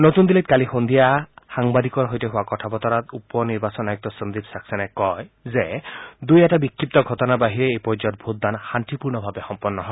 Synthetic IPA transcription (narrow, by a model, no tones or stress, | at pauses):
not̪und̪ilet̪̚kalixond̪ʱijahaŋbad̪ikɔɾɦojteɦuakɔtʰabɔt̪ɔɾat̪upɔniɾbasɔnajuk̚t̪ɔsɔnd̪itsaksɔnɛkɔjzed̪ujɛtabikʰːip̚t̪ɔɡʱɔt̪ɔnabaɦiɾeejpɔɹd͡ʒɔt̚bʱut̪̚d̪anxant̪ipuɾnɔbʱabexɔmpɔnːɔɦɔ